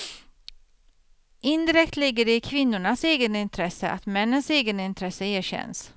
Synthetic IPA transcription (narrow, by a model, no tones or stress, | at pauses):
ʔɪnd̪ɪɾɛkt̪lɪɡːəɾɪkʰvɪnːʊɳaseːɡənɪnt̪ʰɾɛsə̰ʔa̰t̪mɛnːənseːɡənɪnt̪ʰɾɛsəeːɕɛ̰ns